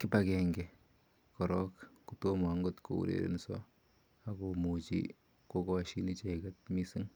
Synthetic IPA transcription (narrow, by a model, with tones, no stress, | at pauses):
kɪ˦pakɛŋɡɛ˨ | kɔɾɔ˦kkutom˨aŋɡo˦tko̰˨ṵ˨ɾḛ˨ɾḛ˦nsɔ̰˦ | a˦komu˨t͡ʃḭ˦ | ko˦kɔ˨ʃi˦ni˦t͡ʃeka˦t̚mi˦si˦ŋ